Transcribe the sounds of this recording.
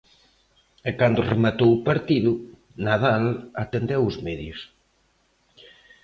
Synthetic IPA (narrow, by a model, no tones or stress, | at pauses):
ɛkand̪ʊremat̪owpaɾt̪iðʊ | naðalat̪end̪ewʊzmɛðjʊs